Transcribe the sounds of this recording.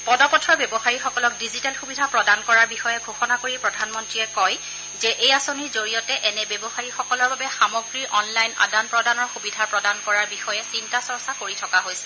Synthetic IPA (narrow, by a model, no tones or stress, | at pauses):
pɔdɔpɔtʰɹɔbjɔbɔxaɹixɔkɔlɔk̚dizitalxubidʱapɹɔdankɔɹaɹbixɔjɛɡʱoxɔnakoɹipɹɔdʱanmɔntɹiɛkɔj | zɛʔejasoniɹzoɹijɔtɛʔɛnɛbebɔxaɹixɔkɔlɔɹbabɛxamɔɡɹiʔɔnlajna̰danpɹɔdanɔɹxubidʱapɹɔdankɔɹaɹbixɔjɛsintasɔɹsakoɹitʰɔkaɦojsɛ̥